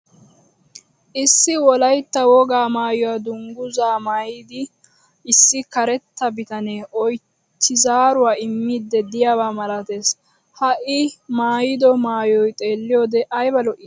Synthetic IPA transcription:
ʔɪsːɪwɔlɐjt̪ːɐwɔɡaːmaːjɔwad̪ʊŋɡʊzaːmaːjid̪ɪ | ɪsːɪkɐɾɛt̪ːɐbɪt̪ɐneːʔɔj | tːɪzaːɾʊwaːɪmːiːd̪ːɛd̪ɪjaːwaːmɐlɐt̪e̞ːs | hɐʔɪmaːjɪd̪ɔmaːjɔjt̪ʼe̞ːlːɪjɔːd̪ɛʔɐjbɐlɔʔɪ

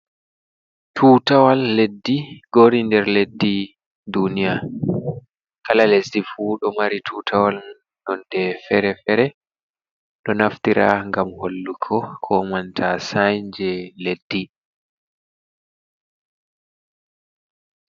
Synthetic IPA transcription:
tʰuːtawalːedːiɡ̥oɾindɛɾledːi | dunija | kalalesdifuɗɔmaɾitʰuːtʰawalmn | ɗɔndɛfɛɾɛfɛɾɛ | ɗɔnaftiɾa̰ŋɡamholːukʰɔkʰɔmantʰasajd͡ʒɛledːi

